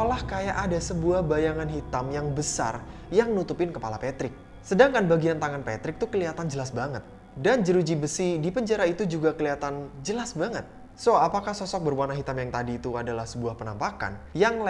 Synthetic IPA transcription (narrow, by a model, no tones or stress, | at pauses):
olahkajaʔadasəbuahbajaŋanɦit̪amjaŋbəsa̰r | jaŋnut̪upɪnkəpalapɛt̪ɾɪk̚ | sədaŋkanbaɡiant̪aŋanpɛ̰t̪ɾɪk̚t̪ukəliat̪and͡ʒəlasbaŋət̪̚ | dand͡ʒəɾud͡ʒibəsidipəɲd͡ʒaɾait̪ud͡ʒuɡakəliat̪and͡ʒəlasbaŋət̪̚ | soapakahsɔsɔk̚bərwuanaɦit̪amjaŋt̪adiːt̪uadalahsəbuahpənampaka̰njaŋl